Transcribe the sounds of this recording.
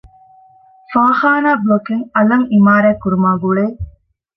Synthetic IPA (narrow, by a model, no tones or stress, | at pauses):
faːxaːnaːblokiŋɐlɐŋimaːɾæːkuɾumaːɡuɭeː